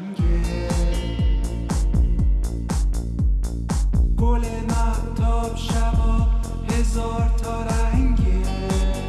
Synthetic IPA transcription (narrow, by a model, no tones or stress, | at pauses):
ŋɡe | ɡ̥olemat̪ʰɔbʃavɔ | hezɔɾt̪ʰɔɾaŋɡe